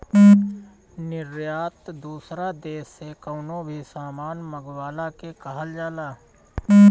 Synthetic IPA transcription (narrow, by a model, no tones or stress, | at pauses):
nɪɾjaːt̪d̪uːsɾad̪eːsːekəʊnõbʱisaːmaːnməɡwaːlakekəɦəld͡ʒaːlaː